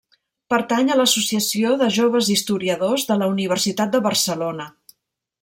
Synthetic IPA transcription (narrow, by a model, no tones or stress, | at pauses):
pəɾt̪aɲələsusiəsioðəʒoβ̞əzist̪uɾiəðozðələuniβ̞ərsit̪at̪̚d̪əβərsəlonə